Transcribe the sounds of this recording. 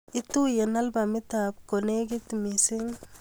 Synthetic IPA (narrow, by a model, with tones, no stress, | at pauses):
i˦t̪u˦jena˦lbamit̪ab̚kone˦ɡi˦t̪misi˦ŋ